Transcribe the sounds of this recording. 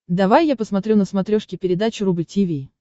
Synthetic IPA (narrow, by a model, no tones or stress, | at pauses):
d̪ɐvajːapəsmɐt̪ɾʲunəsmɐt̪ɾʲoʂkʲɪpʲɪɾʲɪd̪at͡ɕʊɾubɨtʲivʲij